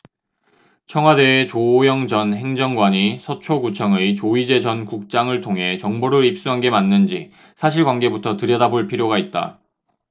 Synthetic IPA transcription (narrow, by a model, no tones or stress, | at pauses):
t͡ɕʰʌŋɦwade̞ːt͡ɕoːjʌŋd͡ʑʌnɦe̞ŋd͡ʑʌŋɡwaɲisʰʌt͡ɕʰoɡut͡ɕʰʌŋɯit͡ɕoid͡ʑe̞d͡ʑʌnkuk̚t͡ɕ͈aŋɯɭtʰoŋɦe̞t͡ɕʌŋboɾɯɾip̚s͈uɦanɡe̞manːɯnd͡ʑi | sʰaɕ̬ʰiɭɡwanɡe̞butʰʌtɯɾjʌdaboɭpʰiɾjoɡait̚t͈a̰